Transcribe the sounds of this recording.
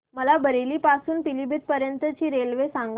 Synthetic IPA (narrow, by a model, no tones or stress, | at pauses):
məlabʱəɾeliːpasuːnpilibʱit̪̚pəɾjənt̪ət͡ɕiːɾelʋesaŋɡ